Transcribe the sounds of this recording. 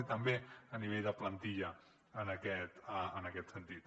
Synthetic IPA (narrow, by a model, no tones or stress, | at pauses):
it̪əmbeəniβ̞eʎðəplənt̪iʎə | ənəkɛt̪əənəkɛt̪sənt̪it̪